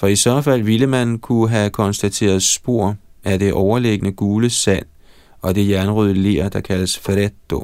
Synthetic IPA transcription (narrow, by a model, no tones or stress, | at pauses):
fɒ̽isɶɐfæl̰ʋiləmænn̩kʰuɦækʰɒ̽nsd̥æt͡sʰe̝̰ːɐð̞̩ˠsb̥o̝ɐ̰æɐd̥e̝ʔɒʊɐleɡ̥ənəɡ̥uːləsæn̰ | ɒ̽d̥e̝jænʁyðˠle̝̰ːɐd̥ɑ̈kʰæləsfʁedo̝